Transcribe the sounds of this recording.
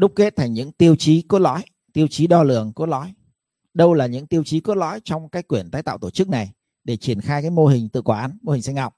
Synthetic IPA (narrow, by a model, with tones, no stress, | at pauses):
ɗʊ˦˥k͡p̚ke˦˥t̚t̪ʰa˨˩ŋɲɨ̰˧˥ŋt̪i˧əwt͡ɕi˨˦ko˨˦˥lɔ̰˧˨˦j | t̪i˧əwt͡ɕi˨˦ɗɔ˧lɨ̰˨˩əŋko˨˥lɔ˨˦j | ɗə˧wlaː˨˩ɲɨ̰˧˥ŋt̪i˧əwt͡ɕi˨˦ko˦˥lɔ̰˧˨˦jt͡ɕɔ˧wŋ͡mkaː˨˦˥jkwi˧˩ənt̪aː˨˦jt̪a̰ː˧˨wt̪o˧˩t͡ɕɨ˦˥k̚na˨˩j | ɗe˧˩t͡ɕi˧˩ənxaː˧jkaː˨˦jmo˧ɦï˨˩ŋ̟t̪ɨ̰˧˨kwaː˧˩ʔaː˨˦nmo˧hi˨˩ŋsa˧ŋŋa˨˩wk͡p̚